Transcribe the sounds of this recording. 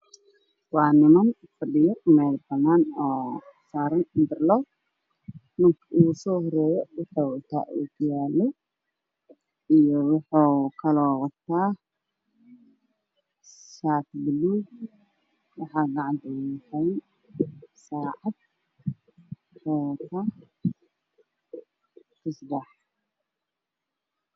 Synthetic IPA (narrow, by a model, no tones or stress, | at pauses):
wɑːnɪmɐn | fɐɗɪjɔmɛːlbɐnaːnɔːsaːɾɐnnd̪ɪrlɔ | mʊŋkʰɪʔuːsɔːɦɔɾɛːjɔwʊħuːwɐt̪ʰa̰ːʔṵːɡjaːlɔ | ijɔwʊħuːkʰɐlɔːwɑt̪ʰaː | saːt̪bɪlu | wɑħaɡaʕant̪ʰɐjkʰɐjn | saʕat̪̚ | ħoːkʰɐ | kʰɨsbaħ